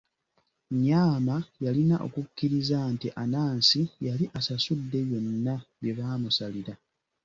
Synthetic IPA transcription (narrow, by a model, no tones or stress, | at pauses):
ɲaːmajalinaʔo̞̰kucːiɾizantiʔanaːnsijaliʔasasudːe̞jo̞nːaβje̞βaːmusaliɾa